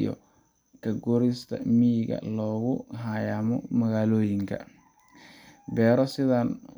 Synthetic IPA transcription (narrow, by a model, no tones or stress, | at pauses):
jɔ̰ | kʰɐɡɔɾɪst̪ʰɐ̰mijɪɣɐ̰lɔːɣʊɦajaːmɔ̰mɐɣaːlɔːjɪŋkʰɐ̰ | bɛːɾɔsɪðaːn